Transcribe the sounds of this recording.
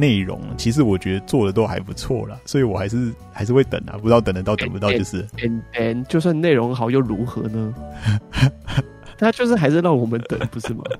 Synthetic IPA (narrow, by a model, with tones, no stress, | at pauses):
ne˥˩ɪɻʊ̰˧˥ŋt͡ɕʰi˧˥ʂ̬ɻ̩˧˥wɔ˨˩t͡ɕɥɛ˧˥d̪ə˧t͡swɔ˥˩d̪ə˩t̪o˥ʊxa̰˧˥ɪpu˧˥t͡sʰwɔ̰˥˩lə˩swɔ˧˥i˧wɔ˨˩xa˧˥ɪʂɻ̩˥˩xa˧˥ɪʂ̬ɻ̩˥˧we˥˩ɪt̪ə̰˨˩ŋɐ̰˨pu˧˥ɑ˥˩t̪ə˨˩ŋd̪ə˦t̪ɑ˥˩ʊt̪ŋpu˨˧ɑ˥ʊjo˥˧ʂɻ̩˥˩ɛ˨˧˦nt̪ɛ˨˩˦nt͡ɕjo˥˧ʊswa˥˧nne˥˩ɪɻʊ˧˥ŋxɑ˨˩ʊjo˥˩ʊɻu˧˥xɤ̰˧˥nə˧ | t̪ʰa˥t͡ɕjo˥˧ʊʂɻ̩˥˩xa˧˥ɪʂɻ̩˥˧lɑ˥˩ʊwɔ˨˩mə˨˦nt̪ə̰˨˩˦ŋpu˧˦ʂɻ̩˥˩mɐ̰˨˩